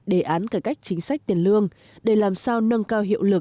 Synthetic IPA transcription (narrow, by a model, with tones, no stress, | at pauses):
ɗe˧˩ʔaː˨˦nkaː˧˩ka˦˥jk̚t͡ɕï˨˦ŋ̟sa˦˥jk̚t̪i˨˩ənlɨ˧əŋ | ɗe˧˩laː˨˩msaː˧wnə˧ŋkaː˧wɦḭ˧˨əwlɨ˨˩k̚